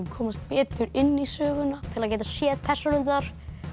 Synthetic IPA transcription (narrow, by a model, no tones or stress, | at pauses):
kʰɔːmast̪̚pɛːt̪ʏɾɪnːisœːɣʏnat̪ʰɪlaðcɛːjt̪asjɛːðpʰɛr̥sɔlʏnt̪aɾ̥